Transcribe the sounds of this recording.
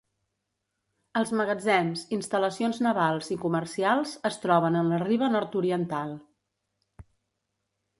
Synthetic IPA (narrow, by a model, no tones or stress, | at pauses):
əlˠzməɣəd͡zɛmzinst̪ələsionznəβalˠzikumərsialˠzəst̪ɾɔβ̞ənənləriβ̞ənɔɾt̪uɾiənt̪alˠ